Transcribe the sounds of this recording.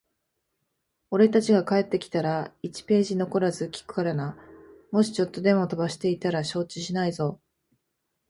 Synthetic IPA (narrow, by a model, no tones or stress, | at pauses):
o̞ɾe̞t̪at͡ɕiɡakae̞t̪ːe̞kʲi̥t̪aɾait͡ɕi̥pe̞ːʑino̞ko̞ɾazɨkʲi̥kɯ̟̥kaɾanamo̞ɕi̥t͡ɕo̞t̪ːo̞d̪e̞mo̞t̪o̞baɕi̥t̪e̞it̪aɾaɕo̞ːt͡ɕiɕinaizo̞